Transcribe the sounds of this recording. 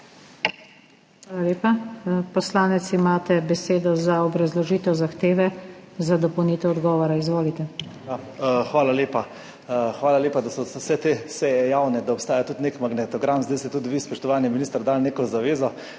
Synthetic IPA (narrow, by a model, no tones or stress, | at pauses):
xʋaːlaleːpapɔslaːnɛt̪simaːt̪ɛbɛseːd̪ɔzaɔbɾazlɔʒiːt̪ɛwzaxt̪eːʋɛzad̪ɔpɔwniːt̪ɛwɔd̪ɡɔːʋɔɾaizʋoːlit̪ɛjaxʋaːlaleːpa | xʋaːlaleːpad̪asɔsɛt̪esɛjɛjaːwnɛd̪aɔpst̪aːjat̪ut̪nekmaɡnɛt̪ɔɡɾamzd̪ajst̪ɛt̪ud̪ʋispɔʃt̪ɔʋaːniminiːst̪əɾd̪alneːkɔzaʋeːzɔ